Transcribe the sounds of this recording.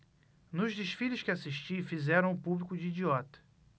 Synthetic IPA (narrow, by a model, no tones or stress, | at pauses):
nʊʒd͡ʒɪʃfiʎʊʃkɪasiʃt͡ʃifizɛɾɐ̃w̃ʊpublikʊd͡ʒiːd͡ʒiɔt̪ɐ̥